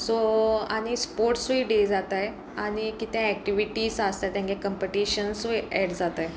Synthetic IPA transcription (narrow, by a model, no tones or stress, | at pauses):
soaɽ̃ispoɾʈsiːɖed͡zat̪aj | aɽ̃ikit̪ɛ̃ɛk̚ʈiʋiʈiːsast̪at̪jãkekəmpeʈiɕənsiɛɽd͡zat̪aj